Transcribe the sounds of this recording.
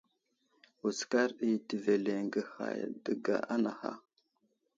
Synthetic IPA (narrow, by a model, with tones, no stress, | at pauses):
u˨ska˦ɾɗi˨ti˨ve˨le˨ŋɡə˨xa̰˨jdə˨ɡa̰˨a˦na˨ha̰˦